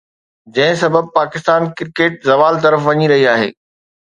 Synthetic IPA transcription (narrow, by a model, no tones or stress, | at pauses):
d͡ʑɐ̃ɦɪ̃sɐbəb̚paːkɪst̪aːnkɪɾkeːʈ̚zɐʋaːlt̪ɐɾəfʋɐɲiɾɐɦiaːɦḛː